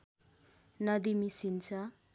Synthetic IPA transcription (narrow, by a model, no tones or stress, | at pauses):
nʌd̪imisint͡sʰa